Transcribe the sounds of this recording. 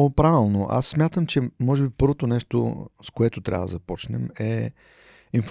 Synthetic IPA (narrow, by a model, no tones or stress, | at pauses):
pɾavɛlˠnoʔa̰sːmjat̪əmt͡ʃɛmɔʒɛbipɤɾvot̪onɛʃt̪o̰skoɛt̪ʊt̪ɾʲa̰vəd̪ɐ̰zɐpɔt͡ʃnɛmɛ | inf